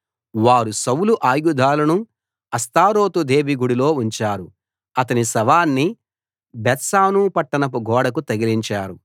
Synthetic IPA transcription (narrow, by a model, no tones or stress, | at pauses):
ʋaːɾusɐwluʔaːjɡud̪ʱaːlɐnu | ɐst̪aːɾo̞ːt̪ud̪e̞ːʋiɡuɽilo̞ːuɲt͡ʃaːɾu | ɐt̪ɐnisɐʋaːnːi | bɛt̪saːnuːpɐʈːɐnɐp̬uɡʱɔːɽɐk̬ut̪ɐɡiliɲt͡ʃaːɾu